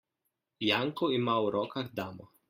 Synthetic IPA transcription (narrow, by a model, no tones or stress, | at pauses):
jaŋkɔimawɾɔːkaɾd̪aːmɔ